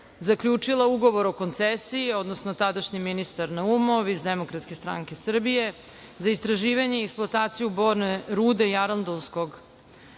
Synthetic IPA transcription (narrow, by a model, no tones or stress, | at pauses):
zakʎʲuːt͡ʂilˠauɡo̞ʋoɾo̞ko̞nt̪sesiio̞d̪nosnot̪ad̪aʃɲiminist̪aɾnaumo̞ʋizd̪emo̞kɾat̪skest̪ɾa̰ŋke̞sr̩bije̞ | zaist̪ɾaʒiːʋaɲe̞ieksplˠoat̪aːt̪sijuboɾneɾuːd̪e̞jaɾand̪onsko̞ɡ